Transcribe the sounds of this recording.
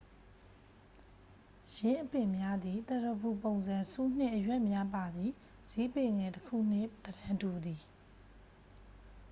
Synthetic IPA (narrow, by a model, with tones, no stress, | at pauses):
jɪ̃˦ʔəpɪ̃˨mja˦d̪i˨t̪ɛ˦ɾə˨bu˨põ˨ʊ̃nzã˨su˦n̥ɪ̰̃˦ʔəjwɛ˦ʔmja˦pa˨d̪i˨ | z̥i˦pe˨ŋɛ˨təkʰṵ˦˨n̥ɪ̰̃˦˨d̪əɾã˦tu˨d̪i˨